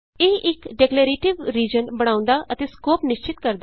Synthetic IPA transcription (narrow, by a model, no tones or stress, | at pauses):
eːʔɪkɖekleːɾeːʈɪʋɾiːd͡ʒənbəɽ̃ãːʊ̃nd̪aːʔət̪eːskoːpnɪʃt͡ʃɪt̪kəɾd̪